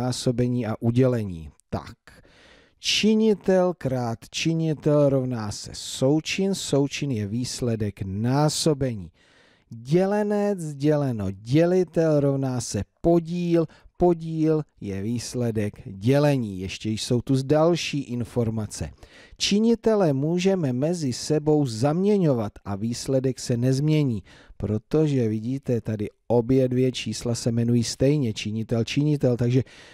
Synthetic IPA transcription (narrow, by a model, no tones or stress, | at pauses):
aːso̞bɛɲiːʔaʔuɟɛlɛɲḭːt̪a̰k | t͡ʃɪɲɪt̪ɛlkɾaːt̪t͡ʃɪɲɪt̪ɛlɾo̞vnaːsɛ̰so̞wt͡ʃɪnso̞wt͡ʃɪnjɛviːslɛdɛknaːso̞bɛɲiː | ɟɛlɛnɛd͡zɟɛlɛno̞ɟɛlɪt̪ɛlɾo̞vnaːsɛpo̞ɟiːl | po̞ɟiːljɛviːslɛdɛkɟɛlɛɲiːjɛʃcɛjso̞wt̪uzdalʃiːʔɪnfo̞ɾmat͡sɛ̰t͡ʃɪɲɪt̪ɛlɛmuːʒɛmɛmɛzɪsɛbo̞wzamɲɛɲo̞vat̪ʔaviːslɛdɛksɛnɛzmɲɛɲiː | pɾo̞t̪o̞ʒɛvɪɟiːt̪ɛt̪adɪʔo̞bjɛdvjɛt͡ʃiːslasɛmɛnujiːst̪ɛjɲɛt͡ʃɪɲɪt̪ɛlt͡ʃɪɲɪt̪ɛlt̪aɡʒɛ